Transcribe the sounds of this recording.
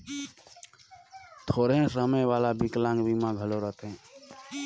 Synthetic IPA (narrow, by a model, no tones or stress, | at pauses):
t̪ʰoɾɦẽsəməjʋalabiklãŋɡbimãɡʱəloɾət̪ɦɛ̃